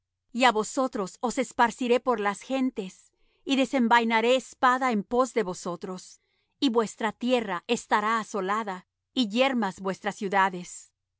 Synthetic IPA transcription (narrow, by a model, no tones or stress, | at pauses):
iaβo̞so̞t̪ɾo̞so̞se̞spaɾsiɾe̞po̞ɾlasxe̞nt̪e̞s | iðe̞se̞mbajnaɾe̞ːspaðaempo̞zðe̞βo̞so̞t̪ɾo̞s | iβwe̞st̪ɾat̪je̞raʔest̪aɾaːso̞laða | iʝe̞ɾmazbwe̞st̪ɾasjuðaðe̞s